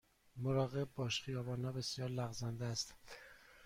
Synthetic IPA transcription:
moɾɒːɣe̞b̚ːɒːʃχijɒːbɒːnhɒːbe̞sjɒːɾlæɣzænd̪eæst̪

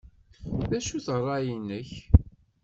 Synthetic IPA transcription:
ðæʃuθrˤːɑjinːəç

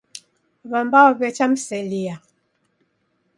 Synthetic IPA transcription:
βambaɔbɛt͡ʃamsɛlia

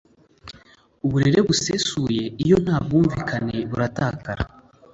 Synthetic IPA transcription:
uβuɾe̞ɾe̞βuse̞suːje̞ijo̞n̥haːb̚ɡuːɱviːkʰane̞βuɾataːkaɾa̰

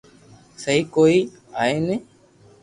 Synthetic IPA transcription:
səɦiːkoːiː | aːeːneː

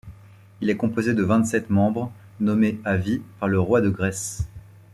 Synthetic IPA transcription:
ilɛkɔ̃pozed̪əvɛ̃t̪sɛt̪mɑ̃bʁ | nɔmeavipaʁləʁwad̪əɡʁɛs

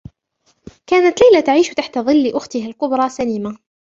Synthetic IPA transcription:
kaːnat̪lajlat̪aʕiːʃt̪aħt̪aðˤɨlːɪʔʊxt̪ɪɦalkʊbɾˤɑsaliːma

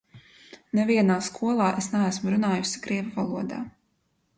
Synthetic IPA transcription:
nɛviɛnaːskʰuɔlˠɑːʔesnɛæsmuɾunaːjusikɾiɛvavalˠuɔd̪a̰ː

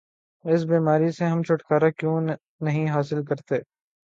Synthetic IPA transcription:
ɪs̬biːmaːɾiseɦɐmt͡ʃʰʊʈkaːɾakjõː | nɐɦĩɦaːsɪlk̬ɐɾt̪eː

